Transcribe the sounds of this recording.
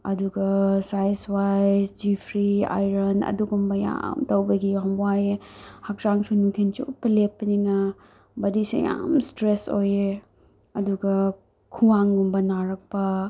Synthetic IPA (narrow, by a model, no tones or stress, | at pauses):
ɐ̰duɡɐsajswajsd͡ʒipʰɾia̰jɾɐnɐ̰duɡumbɐja̰mtowbɐɡiɦɐmwajehɐk̚saŋsunuŋtʰint͡ʃupːɐlepːɐninɐ | bɐdisḛja̰mstɾesoje | ɐduɡɐ | kʰuwaŋɡumbɐnaɾɐk̚pɐ